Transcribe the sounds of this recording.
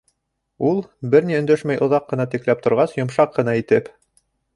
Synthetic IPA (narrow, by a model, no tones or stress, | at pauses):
ulˠbɘɾniɵ̆nd̪æʃmæjʔŏðɑqːɤ̆nɑt̪iklæp̚t̪ŏɾʁɑsjŏmʃɑqːɤ̆nɑit̪ɘp